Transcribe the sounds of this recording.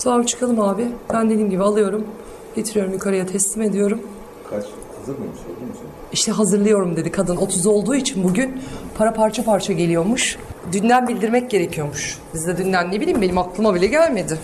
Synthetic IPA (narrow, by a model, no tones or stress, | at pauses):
sʰaabt͡ʃʰɯ̥kʰalˠɯmaːbɪbænd̪e̞d̪iːmɟibialˠɯjo̞ɾum | ɟet̪ʰiɾijo̞ɾumjykʰaɾajat̪ʰɛslʲime̞d̪ijo̞ɾum | kʰat͡ʃ | azɯɾmmʃm | iʃt̪ʰɛɦazɯɾlˠɯjo̞ɾumd̪e̞d̪ikʰad̪ɯno̞t̪ʰuzo̞lˠd̪uːit͡ʃʰinbuɟynpʰaɾapʰaɾt͡ʃʰapʰaɾt͡ʃʰaɟelʲijo̞muʃd̪ynd̪ʲænbilʲd̪iɾmɛc̚ɟe̞ɾecʰijo̞muʃbizd̪ɛd̪ynlænːe̞bilʲiːmbenimaklˠɯmabilʲɛɟælʲme̞d̪ɪ